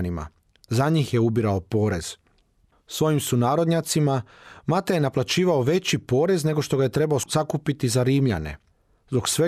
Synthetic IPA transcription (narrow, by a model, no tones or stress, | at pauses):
nima̰ | zaɲiːxje̞ubiɾaopo̞ːɾe̞z̥ | sʋo̞jimsunaːɾo̞d̪ɲat̪simamat̪ajenaplˠat͡ɕiːʋao̞ʋe̞t͡ɕipo̞ːɾe̞zne̞ɡo̞ʃt̪o̞ɡaje̞t̪ɾe̞baosakupit̪izaɾiːmʎa̰ne̞̰ | zbo̞ksʋe